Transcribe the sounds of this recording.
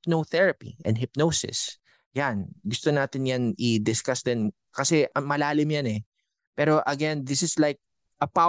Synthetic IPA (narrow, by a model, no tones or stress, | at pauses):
pnoθɛɹɐpḭʔɛ̰nd̪ɦɪp̚nowsɪ̰s | janɡʊst̪onaːt̪ɪnjanɪd̪ɪskasd̪ɛn | kɐsɛʔɐmɐlaːlɪmjanɛ | pɛːɾo̞ʔɐɡɛnd̪ɪsɪslajk̚ | ʔɐpa